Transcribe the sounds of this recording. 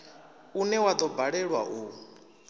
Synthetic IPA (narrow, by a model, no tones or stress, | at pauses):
unɛwad̪ɔbaɺɛɺwa̰ʔu